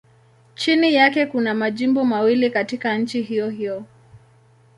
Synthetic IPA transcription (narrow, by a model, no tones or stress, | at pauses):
t͡ʃinijakɛkunamaʄimbɔmawilikatikan̩t͡ʃiɦijɔhijɔ